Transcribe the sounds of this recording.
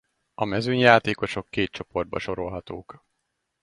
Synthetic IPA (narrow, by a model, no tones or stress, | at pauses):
ɒmɛzyɲjaːt̪eːko̞ʃo̞kːeːt̪̚t͡ʃo̞po̞rd̪̚bɒ̰ʃo̞ɾo̞lɦɒt̪oːk